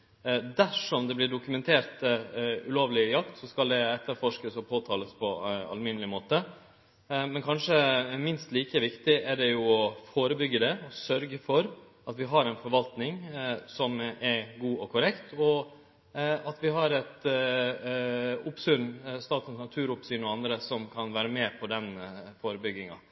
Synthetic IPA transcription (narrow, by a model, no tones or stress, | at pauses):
d̪æʂɔmd̪ɛblɪɖʊkʉmɛnt̪ʰeːɾt̪ʉ̰loːʋlɪjɑkt̪sɔskɑld̪ɛɛt̪ʰːəɾfɔʂkəsɔpʰoːt̪ʰɑːləspʰɔɑ̰lmɪnəlɪmoːt̪ə | mɛnkʰɑnʂəmɪnst̪liːkəʋɪkt̪ɪæɖɛjʊɔfoːɾəbʏɡːəd̪ɛɔsœɾɡəfɔɾ | ʔɑt̪ʋɪɦɑɾɛɪnfɔɾʋɑlt̪nɪŋsɔmɛɡuːɔkʰʊɾɛkt̪ʰɔ | ɑt̪ʋɪɦɑɾɛt̪ | ʊpsʉɾnst̪ɑːt̪nsnɑt̪ʰʉːɾʊpsʏnɔɑnd̪ɾəsɔmkʰɑnʋæːɾəmɛːpʰɔd̪ɛnfoːɾəbʏɡːɪŋɑ̰